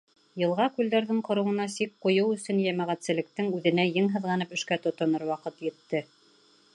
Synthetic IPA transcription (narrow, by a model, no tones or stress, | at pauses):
jɤ̆lˠʁɑkʉld̪æɾðɘɴqŏɾɤ̆wɤ̆nɑsik̚qŏjɤwɵ̆sɵnjæmæʁæt̪sɘ̆lɘ̆k̚t̪ɘŋʉðɘ̆næjɘŋɦɤ̆ðʁɑnɤpɵ̆ʃkæt̪ŏt̪ŏnɤɾwɑqɤt̪jɘ̆t̪ːɘ